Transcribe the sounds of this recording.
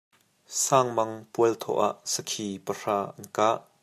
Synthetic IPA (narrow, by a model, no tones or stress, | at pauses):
saːŋmɐŋpuəlt̪ʰɔ̰ʔa̰ʔsəkʰiːpər̥aːʔɐnkaːʔ